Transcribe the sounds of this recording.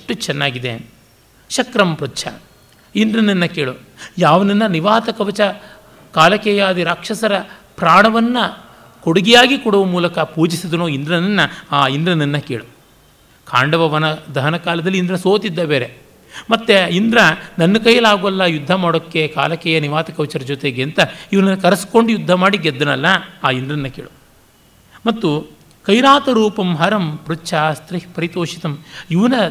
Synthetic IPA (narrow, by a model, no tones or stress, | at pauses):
ʂʈut͡ʃɛnːaːɡid̪ḛ | ʃɐkɾɐmpɾutːt͡ʃʰɐ̰ | ind̪ɾɐnɐnːɐkeːɭu | jaːʋɐnɐnːɐniʋaːt̪ɐkɐʋɐt͡ʃɐ | kaːlɐkɛjaːd̪iɾaːkʂɐsɐɾɐ | pɾaːɳɐʋɐnːɐ | koɽuɡɛjaːɡikuɽuʋɐmuːlɐkɐpuːd͡ʒisid̪ɐnoːind̪ɾɐnɐnːɐaːind̪ɾɐnɐnːɐkeːɭu | kʰaːɳɖɐʋɐʋɐnɐd̪ɐɦɐnɐkaːlɐd̪ɐlːiːnd̪ɾɐsoːt̪id̪ːɐbeːɾe | mɐt̪ːeind̪ɾɐnɐnːɐkɐjɐlaːɡuɐlːɐjud̪ʱːɐmaːɽokːeka̰ːlɐkɛːjɐniʋaːt̪ɐkɐwt͡ʃɐɾɐd͡ʒot̪eɡeɐnt̪ɐiʋɐnɐnːɐkɐɾɐskoɳɖujud̪ʱːɐmaːɽiɡed̪ːɐnɐlːɐaːind̪ɾɐnːɐkḛːɭu | mɐt̪ːu | kɐjɾaːt̪ɐɾuːpɐmɦɐɾɐmpɾut͡ʃʰaːst̪ɾihpɐɾit̪oːʂit̪ɐmiʋɐnɐ